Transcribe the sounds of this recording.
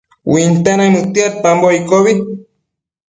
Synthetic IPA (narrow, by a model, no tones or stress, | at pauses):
wint̪ananut̪iat̪̚pamboikoβi